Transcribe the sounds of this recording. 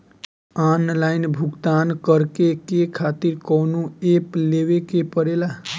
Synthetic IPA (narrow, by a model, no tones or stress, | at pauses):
anlaɪnbʱuɡt̪ankəɾkekekʰat̪iɾkɔːnuepleʋekepəɾela